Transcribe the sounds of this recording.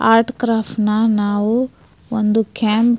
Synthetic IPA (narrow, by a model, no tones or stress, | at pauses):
aːɾʈkɾaːpʈnɐnaːʋu | ond̪ukaːmp